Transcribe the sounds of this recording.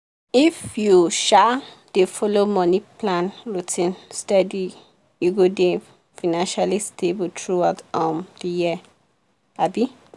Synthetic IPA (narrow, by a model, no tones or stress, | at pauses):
ifjuʃa | d̥efɔlomɔniplãnɹutʰĩnstɛdi | juɡode | fanãnʃalistʰebutʰɹuatɔ̃ndiji | abi